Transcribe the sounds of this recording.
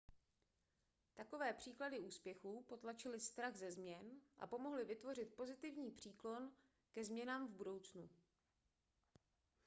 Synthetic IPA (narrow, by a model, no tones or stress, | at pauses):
t̪ako̞vɛːpr̝̥iːkladɪuːspjɛxuːpo̞t̪lat͡ʃɪlɪst̪ɾaɣzɛzmɲɛnʔa̰po̞mo̞ɦlɪvɪt̪vo̞r̝ɪt̪̚po̞zɪt̪ɪvɲiːpr̝̥iːklo̞n | kɛzmɲɛnaːmvbudo̞wt͡snu